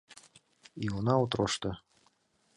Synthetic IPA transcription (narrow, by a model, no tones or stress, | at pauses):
iunɑut̪ɾoʃt̪ɤ̆